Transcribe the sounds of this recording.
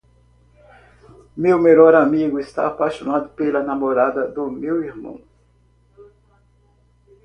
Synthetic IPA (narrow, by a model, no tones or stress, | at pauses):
mewmelɔɾamiɡʊest̪a̰ːpajʃonad̪ʊpelɐnamoɾad̪ɐd̪ʊmewiɾmɐ̰̃